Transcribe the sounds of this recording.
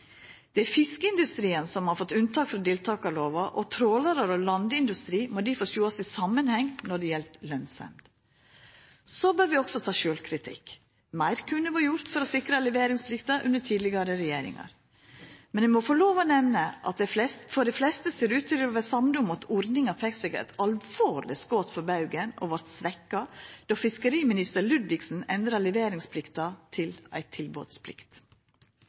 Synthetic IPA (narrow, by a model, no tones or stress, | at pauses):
d̪̥ɛæfɪskəɪnd̪ʉst̪ɾiːənsɔmhɑɾfɔt̪ːʉnt̪ʰɑːkfɾɔd̪ɪlt̪ʰɑːkɑloːʋɑʔɔt̪ʰɾoːləɾəɾɔlɑnd̪əɪnd̪ʉst̪ɾiːmɔd̪ifoːʂuːɑsɪsɑmːənhɛŋnɔɖɛjɛlt̪lœnsɑ̰mt̪ | sobøːɾʋɪɔksɔt̪ʰɑːʃøːlkʰɾɪt̪ʰɪ̰k | mæɪɾkʰʉnːəʋɑɾjʊɾt̪fɔɾɔsɪkɾəlɛʋeːɾɪŋspʰlɪkt̪ɑʔʉ̰nːəʈʰiːd̪lɪɡɑɾəɾɛjeːɾɪ̰ŋɑ̰ɾ | mɛnʋɪmɔfɔɭoːʋənɛʋnəʔɑ̰t̪̚d̪ɛflɛsfɔɖ̪ɛflɛst̪əseːɾʉːt̪ːɪlɔʋɛsɑmd̪ʊmɑt̪ɔɾnɪŋɑfɛksɛɡə̰t̪ɑlʋoːɾlɪ̰sɡoːt̪fɔɾbɑʉɡəno̰ːʋɑɾt̪sʋɛkːɑd̪̥ɑːfɪskəɾiːmɪnɪst̪əɾlʉd̪ʋɪksn̩ɛnd̪ɾɑlɛʋeːɾɪŋspʰlɪkt̪ɑt̪ʰɪlæ̰ɪt̪ʰɪlbo̰ːd̪spʰlɪ̰kt̪